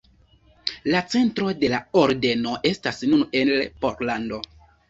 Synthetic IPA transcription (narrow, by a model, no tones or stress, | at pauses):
lat͡se̞ntɾo̞de̞laoɾde̞no̞ʔe̞stasnune̞nlpoɾlando̞